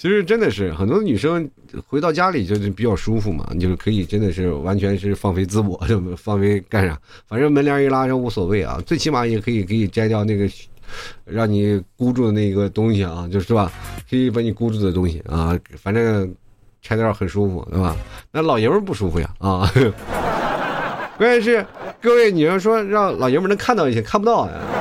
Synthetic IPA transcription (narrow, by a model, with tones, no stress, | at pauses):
t͡ɕʰi˧˥ʂɻ̩˥˧ʈ͡ʂə˥nd̪ə˨ʂɻ̩˥˩xə˨˩nt̪wɔ˥də˧ny˨˩ʂɤ˥ŋ | xwe˧˥ɪt̪ɑ˥˩ʊt͡ɕja˥li˨˩t͡ɕjo˥˧ʊ˥˩pi˨˩t͡ɕjɑ˥˩ʊʂu˥fu˧˩mɐ̰˩˨t͡ɕo˥˧ʊʂɻ̩˥˩kʰɤ˧˥i˨˩ʈ͡ʂə˥nd̪ə˨ʂɻ̩˥˩wa˧˥nt͡ɕʰɥɛ˧˥nʂɻ̩˥˧˩fɑ˥˩ŋfe˥ɪt͡sɹ̩˥wɔ̰˨˩t͡ɕo˥˧ʊ˧fɑ˥˩˧ŋfe˥ɪka˥˩nɻɑ̰˨˩nfa˨˩nʈ͡ʂə˥mə˧˥nljɑ˧˥i˧˥la˥ɻɑ˥wu˧˥swɔ˨˩we˥˩ɪɐ̰˧t͡swe˥˧ɪt͡ɕʰi˥ma˧˩jɛ˨˩kʰɤ˧˥i˨˩kʰɤ˧˥i˨˩ʈ͡ʂa˥ɪt̪̬jɑ˥˧ʊna˥˩ɡə˩˥ɻɑ˥˩ŋni˨˩ku˥ʈ͡ʂu˥˩d̪ə˩na˥˩i˧˥ɡə˧t̪ʊ˥ŋɕi˨˩ɐ˧t͡ɕjo˥˧ʊʂɻ̩˥˧t̪ba˩kʰɤ˧˥i˨˧˩pa˧˥ni˨˩ku˥ʈ͡ʂu˥˩d̪ə˩ʊ˥ŋɕḭ˨˩ɐ̰˥˧fa˨˩nʈ͡ʂɤ˥ŋ | ʈ͡ʂʰa˥ɪt̪jə˧xə˨˩nʂu˥fṵ˨˩t̪ḛ˥˩ɪbɐ̰˩na˥˩lɑ˨˩ʊjɛ˧˥mə˧˥p̬u˥˩ʂu˥fu˨˩ja̰˨˩ɐ˥˧ | kwɛ˥˧˥ʂ̬ɻ̩˥˧kɤ˥˧we˥˩ɪni˨˩jɑ˥˩ʂ̬wɔ˥ɻɑ˥˩ŋlɑ˨˩ʊjɛ˧˥ə˥n˧˥ŋkʰa˥˧nt̪ɑ˥˧ʊi˥˧˩jɛ˥kʰa˥˩npu˧˥ɑ˥˩ʊ˨ja̰˩